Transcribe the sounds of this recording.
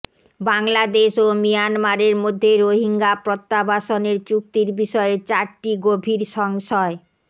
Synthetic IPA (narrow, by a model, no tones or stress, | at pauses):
baŋlad̪eʃomijanmaɾeɾmod̪ʱːeɾoɦiŋɡapɾot̪ːabaʃoneɾt͡ɕuk̚t̪iɾbiʃɔeet͡ɕaɾʈiɡobʱiɾʃɔŋʃɔe